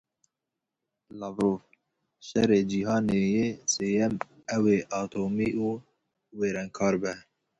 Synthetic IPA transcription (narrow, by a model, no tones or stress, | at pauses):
lɑvɾoːf | ʃɛ̰ɾeːd͡ʒiɦɑːneːjeːseːjɛm | ɛweːʔɑːt̪ʰoːmiːʔuː | weːɾɛŋkʰɑːɾbɛ